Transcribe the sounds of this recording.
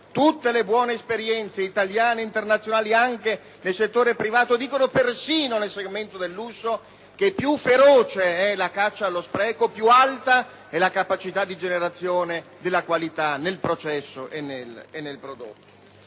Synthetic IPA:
t̪ut̪ːelebwɔːneːspeɾjɛnt̪seit̪aljaːneint̪ernat̪sːjonaːliaŋke | nelset̪ːoːɾepɾivaːt̪od̪iːkonopersiːnonelseɡment̪od̪elːuso | k̟epːjufːeɾoːt͡ʃeɛlakat͡ʃːaːlːospɾɛːkopjualt̪a | ɛlakapat͡ʃit̪ad̪ːid͡ʒeneɾat̪sːjoːned̪elːakwalit̪anelpɾot͡ʃɛsːoʔenːelenːelpɾod̪o̰t̪ːo̥

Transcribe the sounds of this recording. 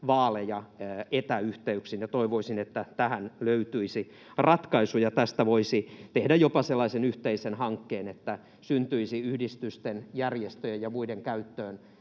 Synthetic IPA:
ʋɑːlejɑet̪æyht̪eyksinjɑt̪oiʋoisinet̪ːæt̪æhænløyt̪yisi | rɑt̪kɑisujɑt̪æst̪æʋoisit̪ehdæjjopɑselːɑisenyht̪eisenhɑŋkːeːnet̪ːæ | synt̪yisiyhdist̪yst̪enjærjest̪øjejɑmuideŋkæyt̪ːøːn

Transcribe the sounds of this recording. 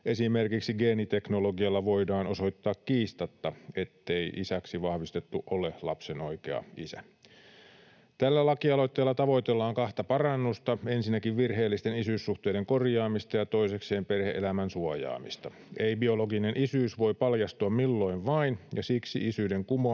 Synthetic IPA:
ʔe̞simerkiksiɡe̞ːnit̪e̞knoloɡiɑlːɑʋoidɑːno̞so̞jt̪ːɑːkkiːst̪ɑt̪ːɑe̞t̪ːeiʔisæksiʋɑhʋist̪et̪ːuʔolelɑ̰pseno̞ikeɑ̰isæ̰ | t̪ælːælɑkiɑlo̞jt̪ːe̞ːlːɑt̪ɑʋo̞jt̪elːɑːŋkɑht̪ɑpɑrɑnːust̪ɑe̞nsinːækiʋʋirɦe̞ːlːist̪enisyːsːuht̪eːdeŋko̞rjɑːmist̪ɑjɑt̪o̞isekse̞ːmperheʔelæmænsuɑjɑ̰ːmist̪ɑ | eibio̞loɡinenʔisyːsʋo̞jpɑljɑst̪uɑmmilːo̞iʋʋɑinjɑsiksḭʔisydeŋkumo

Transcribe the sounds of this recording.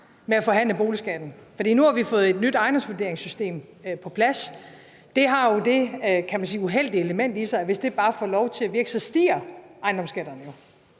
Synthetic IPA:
meæfɒ̽ɦæn̰ləb̥o̝ːlisɡ̥æd̥n̩fɒ̽d̥ḭːnuhɑ̈ʋifɔ̽ːð̩ˠe̝d̥nyd̥ɑ̈ɪnd̥ɒ̽msʋud̥e̝ɐeŋsysd̥e̝̰ːmpʰɒ̽pʰlæs | d̥e̝ɦɑ̈jo̝d̥e̝kʰæmænsiːuɦel̰d̥ieləmen̰d̥isɑ̈ɪʋe̝sd̥e̝b̥ɑ̈ːfɒːlɒʊt͡sʰe̝æʋiɐɡ̥sɒsd̥ḭːɐʔɑ̈ɪnd̥ɒ̽msɡ̥æd̥ɐnəjo̝

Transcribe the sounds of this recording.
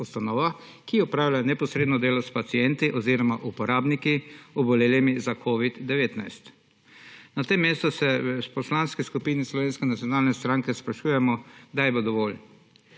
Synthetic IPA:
ust̪anɔːʋa | kiɔpɾaːwlʲajnɛpɔsɾeːd̪nɔd̪eːlɔspat̪siɛnt̪iʔɔziːɾɔmaʔupɔɾaːbnikiɔbɔleːlimizakʰoʋid̪d̪ɛʋeːt̪najst̪ | nat̪emːeːst̪ɔsɛspɔslanskɛskupiːnislɔʋeːnskɛnat̪sʲjɔnaːlnɛst̪ɾãŋkɛspɾaʃuːjɛmɔd̪ajɛbod̪ɔʋoːl

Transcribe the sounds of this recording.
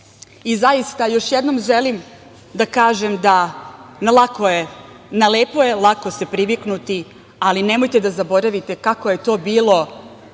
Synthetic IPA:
izajist̪ajo̞ʃjed̪no̞mʒe̞lim | d̪akaːʒe̞md̪anlakoe | naleːpojelˠako̞se̞pɾiʋiknut̪i | aline̞mo̞jt̪e̞d̪azabo̞ɾaʋit̪e̞kako̞je̞t̪o̞ːbiːlo̞

